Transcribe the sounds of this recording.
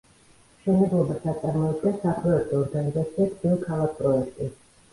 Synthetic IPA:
ʃɛnɛblˠɔbasat̪sʼaɾmɔid̪̚ɡɛnsapʰɾɔɛk̚t̪ʰʼɔːɾɡanizat̪sʰiat̪d̪ilˠkʰalˠak̚ʰpʼɾɔɛkʰt̪ʼi

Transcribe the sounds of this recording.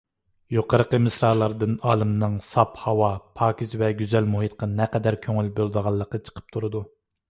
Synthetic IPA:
joqəɾəqəmɨsɾɑːlˠɑɾd̪ɨnɑːlˠɨmnɨŋsɑphɑwɑpʰɑːkʲʰisvɛɡʲyzɛlmuhit̪̚qɑnɛqɛd̪æɾkʲʰøŋylbølˠd̪əʁɑlˠːəqːɑt͡ʃʰə̥qʰə̥p̚t̪ʰuɾɨd̪u

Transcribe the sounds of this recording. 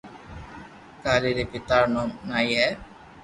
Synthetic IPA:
kaɾiɾepit̪aɾnɔmŋajɛ

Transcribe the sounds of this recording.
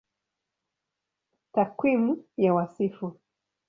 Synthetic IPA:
takwimujawasifu

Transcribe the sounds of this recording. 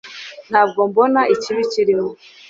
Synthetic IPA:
n̥haːb̚ɡo̞mbonaʔiciβiciɾimo

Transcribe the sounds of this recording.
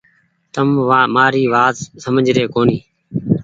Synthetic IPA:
t̪əmʋaːmaːɾiːʋaːt̪səməd͡ʒʱɾeːkoːniː

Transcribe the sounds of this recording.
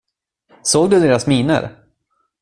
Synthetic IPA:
soːɡ̚d̪ɵd̪eːɾasmiːnə̰ɾ

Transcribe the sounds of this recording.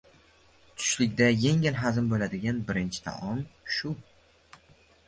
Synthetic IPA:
t̪ʰʊ̥ʃlɪkʲd̪aje̞ŋʲɪlɦazɪmbolad̪ɪɡʲanbɪɾɪnt͡ʃʰɪ̥t̪ʰa̰ʔɒmʃʊ

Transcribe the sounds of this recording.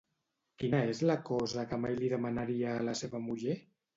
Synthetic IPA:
kinəezləkɔzəkəmajliðəmanaɾiaːləseβəmuʒe

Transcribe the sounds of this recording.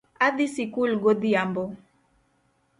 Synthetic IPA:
ad̪isikulɡɔd̪iambɔ

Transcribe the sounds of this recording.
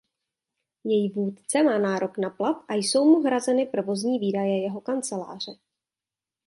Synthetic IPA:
jɛjivuːt̪t͡sɛmaːnaːɾo̞knaplat̪ʔajso̞wmuɦɾazɛnɪpɾovo̞zɲiːviːdajɛjɛɦo̞kant͡sɛla̰ːr̝̥ɛ

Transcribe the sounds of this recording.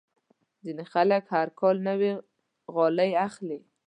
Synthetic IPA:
zinexaləkhaɾkɑlnəwi | ɣɑlajaxli

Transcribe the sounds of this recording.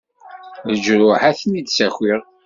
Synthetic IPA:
ðəd͡ʒɾʊħaθnid̪sæçwiʁ

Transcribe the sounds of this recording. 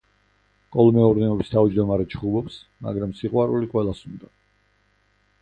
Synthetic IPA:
kʼɔlˠmɛɔɾnɛɔbist̪ʰavd͡ʒd̪ɔmaɾɛt͡ʃʰχubɔpsma̰ɡɾamsiqʼwaɾuliqʼwɛlˠasund̪a

